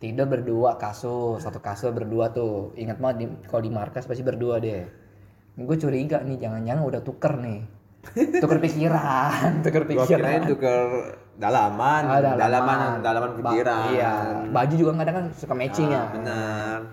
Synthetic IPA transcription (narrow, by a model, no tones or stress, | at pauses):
t̪idabərduakasʊsat̪ukasʊbərduat̪ʊiŋət̪̚madikalodimarkaspasibərduadɛ | ɡuat͡ʃuɾiɡaʔnɪhd͡ʒaŋand͡ʒaŋanudaht̪ukərnɪh | t̪ukərpikiɾant̪ukərpikiɾaukər | dalamanadaldalamadalamanpikiɾaiabad͡ʒud͡ʒuɡaŋkadaŋkansukamet͡ʃɪŋabənər